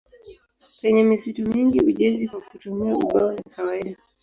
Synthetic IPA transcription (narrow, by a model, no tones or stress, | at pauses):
pɛɲɛmisitumiŋɡiuʄɛnzikwakutumiaṵɓaɔnakawaiɾa